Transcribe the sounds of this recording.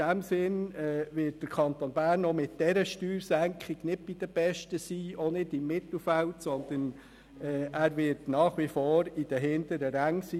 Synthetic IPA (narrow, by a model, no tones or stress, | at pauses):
æmsɪnɛːvɪt̚d̥əɾkʰɑnt̪onbæːɾnːɔmɪtd̥ɛɾəʃtyːɾsæŋkχiɡ̥nɪd̚b̥id̥̪əb̥ɛʃtəsiːonɪdɪmːɪt̪l̩fæltsɔnd̪ən | ɛːæːɾʋɪtnɑːχʋifoːɾid̥əɦɪnd̪əɾəɾæŋsiː